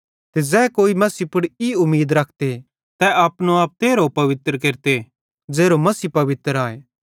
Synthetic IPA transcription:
t̪ezɛːkoːimɐsipʊɽiʊmːiːd̪ɾɐkʰt̪e | t̪ɛʔaːpnõaːp̚t̪eːɾopɐʋɪt̪ɾkeːɾt̪e | d͡ʒeːɾomɐsiːpɐʋɪt̪əɾaːeː

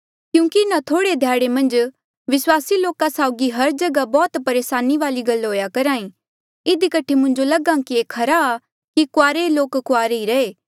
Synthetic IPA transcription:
kjũːkiɪnãt̪ʰoːɽed̪ʱjaːɽemɐ̃nd͡ʒ | ʋɪswaːsiloːkasaːʊɡiɦɐɾd͡ʒɐɡabɔːt̪pɐɾeːsaːniʋaːliɡɐlɦoːjakɐɾãːĩ | ɪd̪ikɐʈʰemʊ̃ɲd͡ʒolɐɡãkieːkʰɐɾaː | kikʊaːɾeloːkːʊaːɾeiɾɐeː

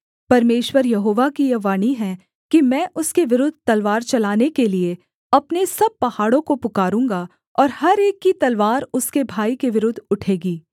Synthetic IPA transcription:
pɐɾmeːʃwəɾjɐɦoːʋakijɐʋaːniɦɛ | kimɛ̃ːʔʊskeʋɪɾʊd̪ʱt̪ɐlʋaːɾt͡ʃɐlaːnekelie | ɐpnesɐb̚pɐhaːɽõkopʊkaːɾũːŋɡa | ɔːɾhɐɾeːkːit̪ɐlʋaːɾʊskebʱaːikeʋɪɾʊd̪ʱːʊʈʰeːɡiː

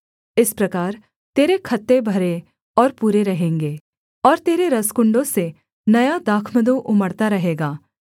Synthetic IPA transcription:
ɪspɾɐkaːɾ | t̪eːɾekʰɐt̪ːebʱɐɾe | ɔːɾpuːɾeɾɐɦẽːŋɡeː | ɔːɾt̪eːɾeɾɐskʊ̃ɳɖõse | nɐjad̪aːkʰməd̪oʔʊməɽt̪aɾɐɦeːɡaː

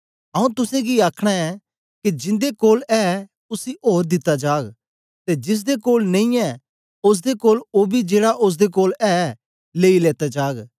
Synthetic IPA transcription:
ɐũt̪ʊsẽɡiaːkʰɽ̃aɛ | kid͡ʒɪ̃nd̪ekoːlɛ | ʊsiʔoːɾd̪ɪt̪ːad͡ʒaːɡ | t̪ed͡ʒɪs̬d̪ekoːlnẽĩɛ | ʊs̬d̪ekoːloːbʱid͡ʒeːɽaʔʊs̬d̪ekoːlɛ | leːileːt̪ad͡ʒaːɡ

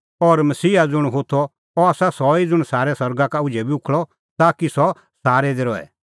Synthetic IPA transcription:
ɔːɾmɐsiːad͡zʊɽ̃ɦot̪ʰɔ | ɔaːsasɔid͡zʊɽ̃saːɾɛsɔɾɡakaʊd͡ʒɛbiʊkʰɭɔ | t̪aːkisɔ | saːɾɛd̪eɾɔɛ̰

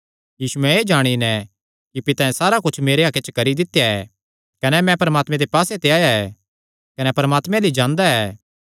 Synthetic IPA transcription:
jiːsuɛ̃eːd͡ʒaːɽ̃inɛ̃ | kipɪt̪ãːɛ̃saːɾakʊt͡ʃʰmeːɾeɦaket͡ʃkɐɾid̪ɪt̪ːjaɛ | kɐnɛmɛ̃pɐɾəmaːt̪mɛ̃d̪epaːset̪eaːjaɛː | kɐnɛpɐɾəmaːt̪mɛ̃lid͡ʒãːnd̪aɛː

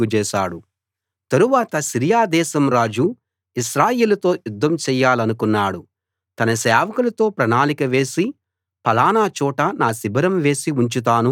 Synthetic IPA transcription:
ut͡ʃɛːʃaːɽu | t̪ɐɾuʋaːt̪ɐsiɾijaːd̪ɛːsɐmɾaːd͡ʒu | iʃɾaːjeːlɐt̪o̞ːjud̪ʱːɐmt͡ʃɛːjːaːlɐnukunːaːɽu | t̪ɐnɐsɛːʋɐkulɐt̪o̞ːpɾɐnaːlikɐʋe̞ːsi | pɐlaːnaːt͡ʃɔːʈɐnaːsibɐɾɐmʋe̞ːsiuɲt͡ʃut̪̬aːnu

